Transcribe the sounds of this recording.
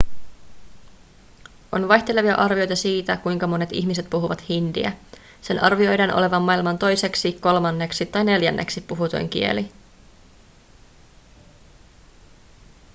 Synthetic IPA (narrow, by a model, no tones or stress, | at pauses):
ʔo̞̰nʋɑjçt̪e̞le̞ʋiɑ̰ʔɑrʋio̞jt̪ɑsiːt̪ækujŋkɑmo̞ne̞t̪ḭçmis̬e̞t̪̚puɦuʋɑt̪hindḭæ̰ | se̞nʔɑrʋio̞jdenʔo̰le̞ʋɑmːɑilmɑnt̪o̞jse̞ksiko̞lmɑnːe̞ksit̪ːɑjne̞ljænːʔe̞̰ksipːuɦut̪o̰jŋk̟ḭe̞̰li